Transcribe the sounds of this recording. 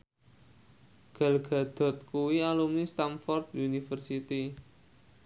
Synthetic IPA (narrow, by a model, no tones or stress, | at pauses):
ɡ̥a̤lɡ̥a̤d̪̥ɔ̤t̪̚kuwialumnist̪anfɔrd̪unifərsit̪i